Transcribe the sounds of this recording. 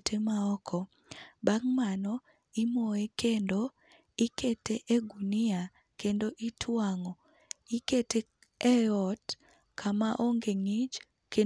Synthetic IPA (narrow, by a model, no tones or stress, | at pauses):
tʰemaɔkʰɔ | baŋmanɔ | imoekendo | iketeʔeɡunia | kendoʔitʰwaŋɔ | ikete | ɛɔt | kʰamaʔoŋɡeŋid͡ʒ | ke